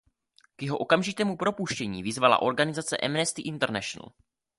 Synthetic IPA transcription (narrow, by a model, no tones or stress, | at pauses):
kjɛɦoʔo̞kamʒɪt̪ɛːmupɾo̞puʃcɛɲiːvɪzvala̰ʔo̞ɾɡanɪzat͡sɛ̰ʔɛmnɛst̪ɪʔɪnt̪ɛɾnɛʃon̰l̩